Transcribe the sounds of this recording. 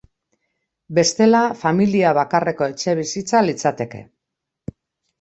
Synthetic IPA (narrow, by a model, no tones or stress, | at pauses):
be̞st̪e̞lafamiliaβ̞akare̞ko̞e̞t͡ʃe̞β̞isit͡salit͡sat̪e̞ke̞̰